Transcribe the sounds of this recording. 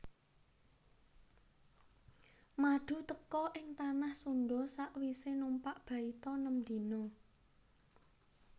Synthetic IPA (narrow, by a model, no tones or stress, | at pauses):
maɖ̥ṳt̪əkɔʔɪŋt̪anahsunɖɔsaʔwisenumpaʔb̥ä̤it̪ɔnəmd̪̥i̤nʊŋ